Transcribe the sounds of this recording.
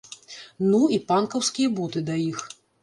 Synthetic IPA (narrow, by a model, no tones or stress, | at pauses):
nuipankɐwskʲijɐbut̪ɨd̪aix